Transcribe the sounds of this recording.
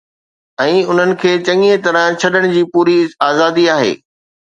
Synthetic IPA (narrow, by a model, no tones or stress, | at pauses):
ɛ̃ːʊn̤ənɪ̆kʰeːt͡ɕɐ̃ŋiet̪ɐɾə̃t͡ɕʰɐɗəɽ̃ʊd͡ʑiːpuːɾiaːzaːd̪iaːɦḛː